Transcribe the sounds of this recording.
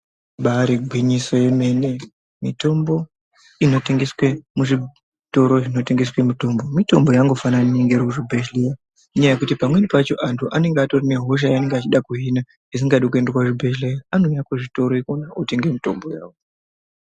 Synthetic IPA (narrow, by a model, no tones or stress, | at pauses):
ɓaɾiɡʱwiɲisojeme̞ne̞ | mito̞mbo̞ | ino̞te̞ŋɡe̞swemuʐi | to̞ɾo̞ʐino̞te̞ŋɡe̞swe̞mito̞mbo̞mito̞mbo̞jaŋɡo̞fananieŋɡeɾokuʐibʱeʃleja | iɲajajekutipamwe̞nipat͡ʃo̞ʔantʰuʔane̞ŋɡato̞rine̞ɦo̞ʃ̬ajane̞ŋɡat͡ʃiɗakuɦina | is̬iŋɡaɗikue̞nderwaʐibʱeʃlejaano̞jakuʐito̞ɾoikonaute̞ŋɡe̞mito̞mbo̞jaːwo